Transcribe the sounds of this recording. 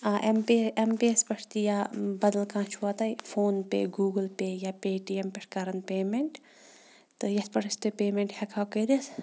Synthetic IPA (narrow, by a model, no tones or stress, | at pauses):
aʔempeempeɐspɐʂʰt̪ijabɐd̪ɐlkãːt͡ʃʰuʋɐt̪ɐjfʰoːnpḛɡuːɡəlpejapeːʈiempʲeʈkɐɾɐnpeːmeɳʈ | t̪ɨjɐspɐʈʰɐst̪ɨpeːmeɳʈhɐkʰawkɐɾis